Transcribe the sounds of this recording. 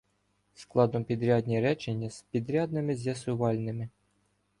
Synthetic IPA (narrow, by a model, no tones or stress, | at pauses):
sklˠɑd̪ɔmpʲid̪ɾʲɑd̪ʲnʲiɾɛt͡ʃenʲːɐspʲid̪ɾʲɑd̪̚nɪmɪzʲjɐsʊʋɑlʲnɪmɪ